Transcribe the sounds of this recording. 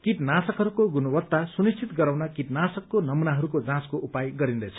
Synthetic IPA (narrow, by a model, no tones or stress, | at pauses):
kit̪nasʌkɦʌɾukoɡunʌbʌt̪ːasunist͡sʰit̪ɡʌɾawnakit̪nasʌkːonʌmunaɦʌɾukod͡zãskoʔupajɡʌɾind̪ʌjt͡sʰʌ̥